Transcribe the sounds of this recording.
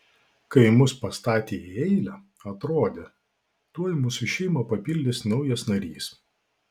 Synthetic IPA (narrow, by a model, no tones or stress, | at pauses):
kɐɪmʊspɐst̪ɑːt̪ʲeːiɛɪlʲɛ | ɐt̪ɾoːd̪ʲe | t̪uɔjmʊsʊʃʲɛɪmɐpɐpʲilʲd̪ʲɪsnɐʊjɛsnɐɾʲḭːs